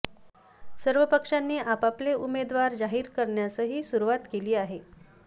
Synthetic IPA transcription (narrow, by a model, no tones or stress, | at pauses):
səɾʋəpəkʂanːiːʔapapleʔumed̪ʋaɾd͡zaɦiːɾkəɾɳjasəɦiːsuɾuʋat̪keliːaɦe